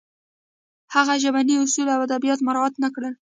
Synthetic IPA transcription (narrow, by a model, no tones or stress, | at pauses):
haɣaʒabaniʊsulawad̪abijɑt̪maɾɑat̪nakɽə